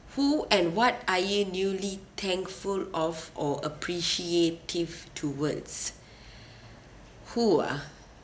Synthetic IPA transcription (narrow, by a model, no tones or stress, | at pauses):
huɛ̃nwɔt̚ajunjulit̪ʰɛ̃ŋkfulɔvɔəpʰɹiʃietʰivtʰuwəds | hua̰